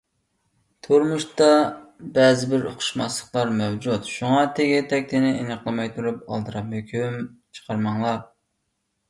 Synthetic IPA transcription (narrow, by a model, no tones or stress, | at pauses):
t̪ʰoɾmuʃt̪ɑbɛzɪbɪɾo̰qʰʊ̥ʃmɑslˠə̥χlˠɑɾmɛwd͡ʒut̪ʃuŋɑt̪ʰɪɡʲit̪ʰɛk̚ʲt̪ʰɪnɪenɨqʰlˠɨmɑjt̪ʰuɾup̚ɑ̰lˠd̪ɨɾɑhøkʲʰymt͡ʃʰə̥qʰɑɾmɑŋlˠɑ